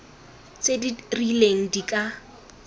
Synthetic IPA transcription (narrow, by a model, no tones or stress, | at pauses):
t͡sedirileŋ̩dikʼa